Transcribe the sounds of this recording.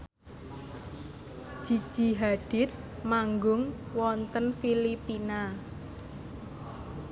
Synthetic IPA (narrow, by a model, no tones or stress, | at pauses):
ʒ̥i̤̥ʒ̥i̤ɦaɖ̥ɪ̤t̪̚ | maŋɡʊŋwɔnt̪ənfilipina